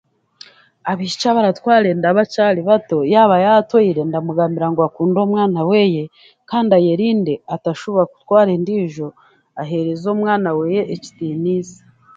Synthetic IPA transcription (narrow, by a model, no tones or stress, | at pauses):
aβit͡ʃaβaɾatwaːɾe̞ndaβacaliβato̞jaːβajatwoiɾe̞ndamuɡaːmbiɾaŋɡwakuːndo̞ːmŋaːnawe̞je̞ | kaːndajeɾiːndeataʃoβoɾaku̥twaːɾendiːʒo̞ | aɦe̞ɾezomŋaːnawe̞ːjeʔeci̥tiniːzi̥